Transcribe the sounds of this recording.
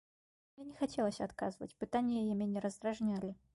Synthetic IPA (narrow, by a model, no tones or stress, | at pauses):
mjʲenʲɪxɐtʲelˠəsʲɐt̪kazɨvə̰tʲpɨt̪anʲɪjəjɪmʲenʲɪɾəzd̪ɾɐʐnʲalʲɪ